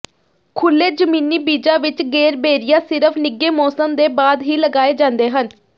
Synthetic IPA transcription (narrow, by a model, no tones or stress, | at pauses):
kʰʊlːeːd͡ʒəmĩːniːbiːd͡ʒaːʋɪt͡ʃɡeːɾbeːɾɪjaːsɪɾəpʰnɪɡːeːmɔːsəmd̪eːbaːd̪ɦiːləɡaːeːd͡ʒãːnd̪eːɦən